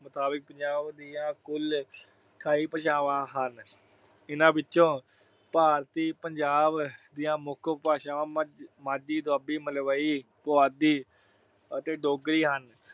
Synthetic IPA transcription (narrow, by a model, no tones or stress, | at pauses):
mət̪aːbək̚pəɲd͡ʒaːbd̪iːãːkʊl | kʰaːiːpəʃaːʋãːɦən | ɪnãːbɪt͡ʃːʃõː | paːɾt̪iːpəɲd͡ʒaːbd̪ɪjãːmʊkʰpaːʃãːʋãːmãːd͡ʒiːd̪aːbiːməlʋaːiː | pʊaːd̪iː | ət̪eːɖoːɡɾiːɦən